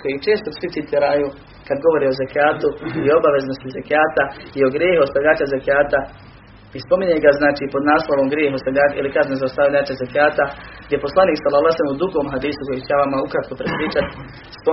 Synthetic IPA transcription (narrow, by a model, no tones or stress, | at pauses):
ko̞jit͡ʃe̞ːst̪osʋisit̪iːɾajuː | kad̪ɡo̞ʋo̞ɾio̞zekaːt̪uio̞baʋe̞znost̪izekaːt̪aio̞ɡɾjeːɦuost̪aʋʎʲaːt͡ʃazekaːt̪a | ispo̞miɲeɡaznaːt͡ʃiːpo̞d̪naːslˠoʋo̞mɡɾjeːɦuost̪aʎaːḭlikaznezaost̪aʋʎaːt͡ʃazekaːt̪aɡ̥d̪jepo̞slˠaniːksalːalaselemud̪uɡoːmɦad̪iːsuko̞jit͡ɕeaʋamaukɾat̪̚ko̞pɾepɾiːt͡ʃat̪ | spo